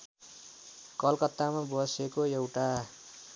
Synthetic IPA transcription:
kʌlkʌt̪ːamabʌsekoewʈa

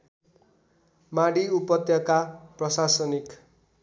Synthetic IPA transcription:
maɽiupʌt̪jʌkaprʌsasʌnik

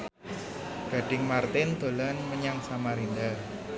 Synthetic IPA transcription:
ɡ̥a̤ɖ̥ɪŋmart̪ɪnd̪̥o̤lanməɲaŋsamaɾind̪a

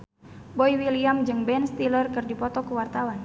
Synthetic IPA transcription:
bɔjwiliamd͡ʒɨŋbɛnst̪ilərkɨrdipɔt̪ɔkuwart̪awan

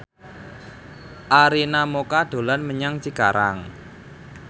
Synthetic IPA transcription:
ʔaɾinamokaɖ̥o̤lanməɲaŋt͡ʃikaɾaŋ

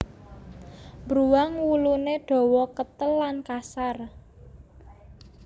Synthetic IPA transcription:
mbɾuwaŋwuluneɖ̥ɔ̤wɔkət̪əlːankasar

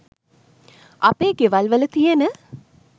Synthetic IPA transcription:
ʔapeːɡeʋalʋələt̪ijənə

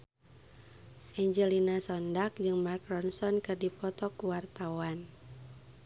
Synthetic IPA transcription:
ʔɛɲd͡ʒəlinasɔndak̚d͡ʒɨŋmarkɾɔnsɔnkɨrdipɔt̪ɔkuwart̪awan

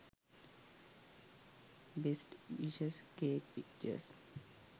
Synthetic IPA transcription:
besʈiʃəskeːk̚pik̚t͡ʃə̰s

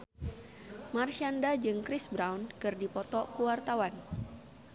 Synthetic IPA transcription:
marʃiandad͡ʒɨŋkɾisbɾawnkɨrdipɔt̪ɔkuwart̪awan

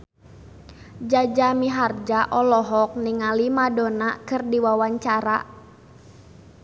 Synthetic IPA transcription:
d͡ʒad͡ʒamiɦard͡ʒaʔɔlɔɦɔk̚niŋalimadɔnakɨrdiwawaɲt͡ʃaɾa̰

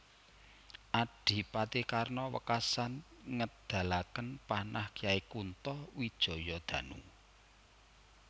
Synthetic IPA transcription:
ʔaɖ̥i̤pat̪ikarnɔwə̰kasanŋəd̪̥a̤lakənpanʔahkijaikunt̪ɔwid̥ʒ̥ɔ̤jɔd̪̥ä̤nu

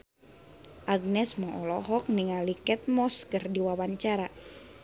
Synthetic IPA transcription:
ʔaɡ̚nɛsmɔʔɔlɔɦɔk̚niŋalikɛt̪̚mɔskərdiwawaɲt͡ʃaɾa

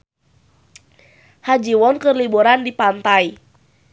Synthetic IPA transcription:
had͡ʒiwɔnkɨrlibuɾandipant̪ai

